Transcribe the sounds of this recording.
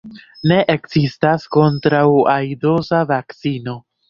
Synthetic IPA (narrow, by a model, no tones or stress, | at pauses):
ne̞ʔekz̥istasko̞ntɾawajdo̞zavakt͡sino̞